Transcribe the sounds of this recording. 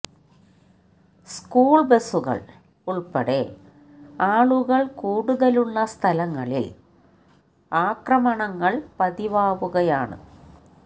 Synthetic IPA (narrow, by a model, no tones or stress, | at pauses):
skuːɭbesuɣɐ̰ɭ | uɭpɐɽe | aːɭuɣɐɭkuːɽuðɐluɭːɐst̪ʰɐlɐŋːɐɭḭl | aːkrɐmɐɳɐŋːɐɭpɐðiʋaːʋuɣɐjaːɳɨ̰